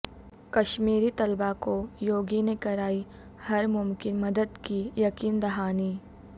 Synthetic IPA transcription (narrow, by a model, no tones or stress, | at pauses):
kɐʃmiːɾit̪ɐlbakojoːɡinekɐɾaːi | hɐɾmʊmkɪnmɐd̪əd̪kijɐkiːnd̪ɐɦaːniː